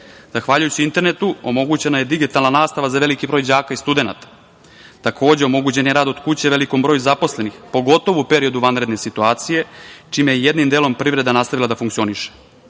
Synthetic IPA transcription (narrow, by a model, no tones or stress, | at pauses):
z̥axʋaːʎujut͡ɕiint̪e̞ɾne̞t̪uo̞mo̞ɡut͡ɕe̞najed̪iɡit̪alnanaːst̪aʋazaʋe̞likibɾo̞ːjd͡ʑaːkaist̪ud̪e̞na̰t̪ḁ | t̪akʰo̞ːd͡ʑe̞o̞mo̞ɡut͡ɕe̞njeɾaːd̪o̞d̪kut͡ɕe̞ʋe̞liko̞mbɾojuzapo̞sle̞nixpo̞ɡo̞t̪o̞ʋuupe̞ɾio̞d̪uʋanɾed̪ne̞sit̪uaːt̪sije̞t͡ʃiːmejeje̞d̪nimd̪elo̞mpɾivɾe̞d̪anast̪aʋilad̪afuŋkt̪io̞niʃe̥